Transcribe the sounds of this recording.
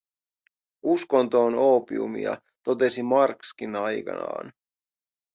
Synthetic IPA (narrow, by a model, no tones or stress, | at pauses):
usko̞nt̪o̞ːno̞ːpiṵmḭɑ̰ | t̪o̞t̪e̞simɑrkskinɑjkɑ̰nɑ̰ːn